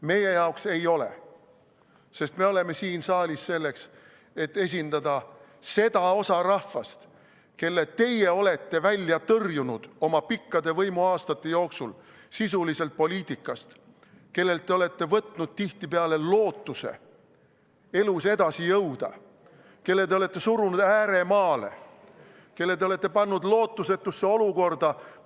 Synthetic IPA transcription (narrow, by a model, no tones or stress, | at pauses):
me̞je̞jɑokse̞jo̞le̞̰ | se̞st̪me̞o̞le̞me̞siːnsɑːlʲisse̞lːe̞ks | e̞t̪ːe̞s̬ʲind̪̥ɑd̪̥ɑ | se̞d̪̥ɑo̞sɑrɑhvɑst̪ | ke̞lːet̪e̞je̞o̞le̞t̪ːe̞vælʲjɑt̪ɤrjunud̪̥o̞mɑpikːɑd̪e̞vɤjmuɑːst̪ɑt̪ːe̞jo̞ːksul | sisulise̞lt̪̚po̞lʲiːt̪ʲːˑikːˑɑst̪ | ke̞lːe̞lt̪ːe̞o̞le̞t̪ːe̞vɤt̪nud̪̥̚t̪iht̪ipeɑle̞lo̞ːt̪ˑːuse̞̰ | e̞luse̞d̪̥ɑsijɤwd̪̥ɑ̰ | ke̞lːet̪̬e̞ole̞t̪ːˑe̞suɾunud̪æːɾe̞mɑːle̞̰ | ke̞lːe̞t̪eole̞t̪ːˑe̞pɑnːud̪lo̞ːt̪ːˑuse̞t̪ːˑusːeo̞luko̞rd̪̥ɑ